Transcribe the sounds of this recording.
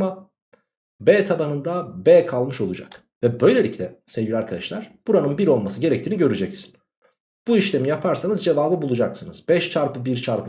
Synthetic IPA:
ma | bɛːt̪ʰabanɯnd̪abɛːkʰalˠmɯʃo̞lˠud͡ʒa̰k | vɛbø̞jlʲe̞lʲiclʲɛsɛvɟʲilʲaɾkʰad̪aʃlˠaɾ̥b̥uɾanɯnbiɾo̞lˠmasɯɟe̞ɾɛc̚t̪ʰiːniɟø̞ɾyd͡ʒɛcsi̥n̥ | b̥uiʃlʲe̞mijapʰaɾsanɯzd͡ʒe̞vaːbɯbulˠud͡ʒaksɯnɯzbɛʃt͡ʃʰaɾpɯbiɾt͡ʃʰaɾpɯ

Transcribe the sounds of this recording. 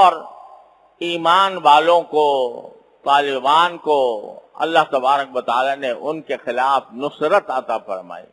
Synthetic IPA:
ɔːɾ | iːmaːnʋaːlõko | t̪aːlɪbaːnkoɐ̰lːaɦt̪ɐbaːɾəkʋɐt̪aːlaneʔʊnkexɪlaːfnʊsɾət̪ɐt̪afɐ̰ɾma̰ːḭː

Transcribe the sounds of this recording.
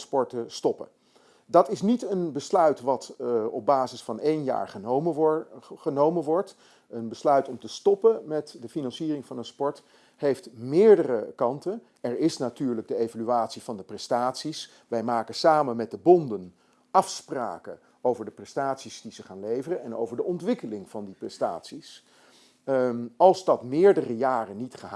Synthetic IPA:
spɔɹtəstɔpə | dɑtɪsnitənbəslœɥtʋɑtɔb̚baːzɪsfɑnejnja̰ːɹχəməχənowmənʋɔɹt | ənbəslœɥtɔmtəstɔpəmɛtdəfinɑnsiːrɪŋvɑnənspɔɹt | hejftmɪːɹdərəkɑntən | ɛɹɪsnatyːɹləɡ̚dəejvalyaːtsiv̥ɑndəprɛstaːtsis | ʋɛjmaːkəsaːmənmɛt̚dəbɔndən | ɑfspra̰ːkə̰ | owvəɹdəprɛstaːtsisdizəχaːnlejvərənɛno̰wvəɹdəʔɔntʋɪkəlɪŋv̥ɑndiprɛsta̰ːtsis | ɑlˠzdɑtmɪːɹdərəjaːrənitχə

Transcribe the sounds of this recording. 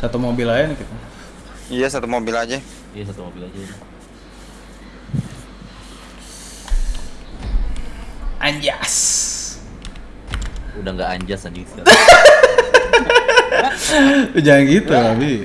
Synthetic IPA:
sat̪umobilajanikit̪a | ijasat̪umobilad͡ʒa | ijasat̪umobilad͡ʒan | ʔaɲd͡ʒas | udaŋɡaa̰ɲd͡ʒasanisa | pəd͡ʒaŋanɡit̪ulabi

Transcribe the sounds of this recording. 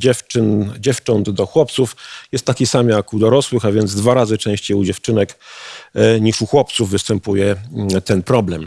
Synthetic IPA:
d͡ʑɛft͡ʂɘnd͡ʑɛft͡ʂɔnd̪d̪ɔxwɔp̚t̪sufjɛst̪ːakʲisamjakud̪ɔɾɔswɘxavʲjɛnd̪zd̪vaɾazɘt͡ʂɛ̃w̃ɕt͡ɕejud͡ʑɛft͡ʂɘnɛk | ɲiʂuxwɔp̚t̪suvːɘst̪ɛmpujɛt̪ɛnpɾɔblɛm

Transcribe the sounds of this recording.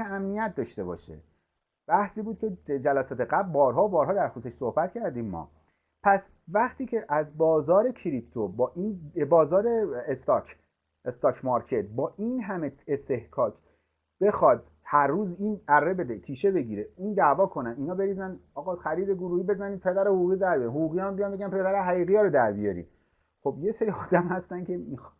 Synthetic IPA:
eæmnijæt̪̚ʰd̪ɒːʃt̪e̞bɒ̰ːʃḛ | b̥æhsiːbuːd̪̥̚kcʰed͡ʒælæsɒːt̪ʰe̞ɣæblbɒːɾɦɒːbɒːɾhɒːd̪æɾxuseʃsohbæt̪cʰæɾd̪iːmːɒ̰ː | pʰæs | væχt̪iːcʰe̞ʔæzbɒːzɒːɾe̞kʰiɾipt̪ʰobɒːʔinbɒːzɒːɾe̞est̪ɒkʰ | est̪ɒːkʰmɒɾkʰet̪̚bɒːʔiːnɦæmeest̪e̞hkʰɒːcʰ | b̥e̞xɒd̪̚ | hæɾːuːziːnæɾːe̞be̞d̪et̪ʰiːʃe̞be̞ɟiːɾeiːnd̪æʔvɒːkʰo̞næniːnhɒːbe̞ɾiːzænɒːɣɒːxæɾiːd̪eɡoɾuːhiːbe̞zæniːd̪̚pʰe̞d̪æɾehoɣuːɣid̪æɾbijɾinhoɣuːɣijɑmbijɒnmbeɡʲænpʰe̞d̪æɾeɦæɣiːɣijɒːɾod̪æɾbijɒ̰ɾḭː | xobjeseɾiːɒːd̪æmhæst̪ænkʰe̞i

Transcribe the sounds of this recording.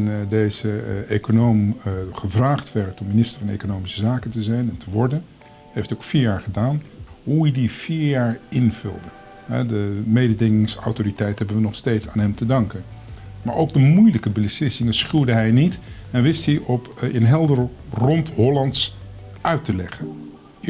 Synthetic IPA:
ndejzəejkonowmχəvraːχtʋɛɹtɔmːinɪstə̥ɹvɑnḛjkonowmisəzaːkəntəzɛjnɛntəʋɔɹdən | ɦejftowkfiːɹjaːɹχədaːnɦuidiv̥iːɹjaːɹɪnv̥ʏ̰lˠdə | ɦɛ̰dəmejdədɪŋɪŋsɑ̰wtoritɛjtəɦɛbənʋənɔχstejtsa̰ːnɦɛmtədɑŋkənmaːɹʔowɡ̚dəmujləkəbəslɪsɪŋəsχydəɦɛjnit | ɛnʋɪstiʔɔpə̰nɦɛlˠdərrɔntɦɔlɑnts | ʔœɥtəlɛχən

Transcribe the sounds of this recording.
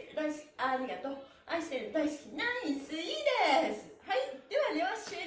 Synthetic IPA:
d̪ajskʲaɾʲiɡat̪oː | aisend̪aisɨ̥kʲinaisɨid̪esɨhaid̪̥eβaleβaɕɯ

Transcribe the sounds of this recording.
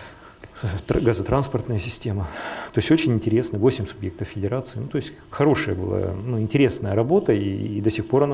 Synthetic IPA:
t̪ɡazət̪ɾanspərt̪nəjəsʲɪsʲtʲemət̪o̞ɪsʲot͡ɕɪnʲɪnʲtʲɪɾʲe̞snəəvo̞sʲɪmʲsʊbʲjek̚t̪əffʲɪdʲɪɾat̪sɨɪnut̪o̞ɪsʲtʲ | xɐɾo̞ʂɨjəbɨ̰lˠa̰nuɪnʲtʲɪɾʲe̞snəjəɾɐbo̞t̪əḭd̪əsʲɪxpo̞ɾɐna

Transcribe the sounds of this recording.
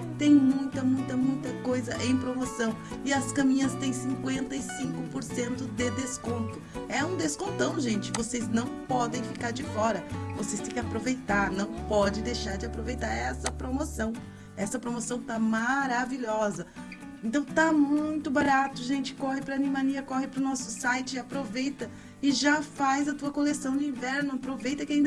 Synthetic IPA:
t̪ẽj̃mũj̃t̪ɐmũj̃t̪ɐmũj̃t̪ɐkojzɐʔẽj̃pɾomosɐ̃w̃ | ɪɐskɐ̃mĩɲɐst̪ẽj̃sĩkwẽnt̪ɐɪsĩŋkʊpoɾsẽnt̪ʊd̪ed̪eskõnt̪ʊɛũd̪eskõnt̪ɐ̃w̃ʒẽnt͡ʃɪvoseznɐ̃w̃pɔd̪ẽj̃fikaɾd͡ʒɪfɔɾɐvosejst̪ẽj̃kɪapɾovejt̪aɾnɐ̃w̃pɔd͡ʒɪ̃d̪ejʃaɾd͡ʒɪapɾovejt̪aɾɛsɐpɾomosɐ̃w̃ | ɛsɐpɾomosɐ̃w̃t̪amaɾaviʎɔzɐ | ẽnt̪ɐ̃w̃t̪amũj̃t̪ʊbaɾat̪ʊʒẽnt͡ʃɪ̥kɔhɪpɾɐːnĩmaniɐkɔɦɪpɾʊnɔsʊ̥sajt͡ʃɪapɾovejt̪ɐ | ɪʒafajzɐt̪uɐkolesɐ̃w̃d̪ʊĩvɛɾnʊapɾovejt̪ɐkɪaĩnd̪

